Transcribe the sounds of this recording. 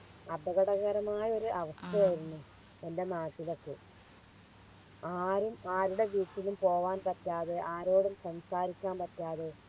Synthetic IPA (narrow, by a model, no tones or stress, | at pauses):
ɐd̪ɐɣɐɽɐɣɐɾɐmaːjɐo̞ɾuʔɐʋɐst̪ʰɐjɐjiɾunːu | e̞nde̞naːtːilokːɨ | aːɾumaːɾuɽe̞ʋiːtːilumpo̞ːʋaːnpɐtːaːðeʔaːɾo̞ːɽumsɐmsaːɾikʲːaːnpɐtːaːðe